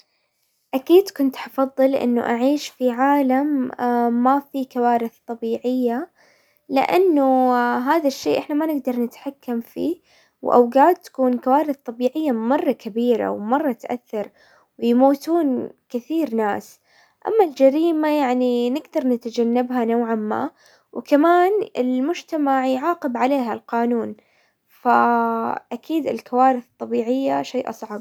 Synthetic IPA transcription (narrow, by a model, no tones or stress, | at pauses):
ʔakiːd̪kʊnt̪ħɑfɑðˤːɨlʔɪ̰nːʊ̰ʔaʕiːʃfiʕaːlamː | afikawaːɾɪθt̪ˤɑbiːʕɪjːa | lɪ̰ʔanːuɦaːðaʃːḛːʔɪħnamanɪɡd̪ɑɾˤnɪt̪ħakːamfḭː | wʔa̰wɡaːt̪ːḁkuːnkawaːɾɪθt̪ˤɑbiːʕɪjːamɑrˤːɑkabiːɾa̰wmɑrˤːɑt̪ʔa̰θːɑɾˤ | wjmuːt̪uːnkɪθiːɾna̰ːs | ʔa̰mːald͡ʒaɾiːmajaʕninɪɡd̪ɑɾˤnɪt̪ad͡ʒanːabɦanawʕamːa̰ː | wkamaːnɪ̰lmʊd͡ʒt̪amaʕjʕɑːqɪbʕaleːɦalqɑːnuːn | faʔakʰiːd̪ɪlkawaːɾɪθɨt̪ˤːɑbiːʕɪjːaʃeːʔɑsˤʕɑb̚